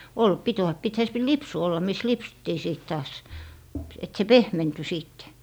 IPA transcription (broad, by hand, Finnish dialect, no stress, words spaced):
ol pit oɑ pithæ se p lipsu olːɑ mis lipsutːiː siˑt tɑːs et se pehmenty siːtːe